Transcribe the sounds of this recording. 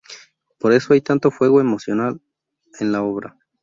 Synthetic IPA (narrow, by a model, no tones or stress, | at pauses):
po̞ɾe̞so̞ajt̪ant̪o̞fwe̞ɣo̞e̞mo̞sjo̞nal | enlao̞βɾa̰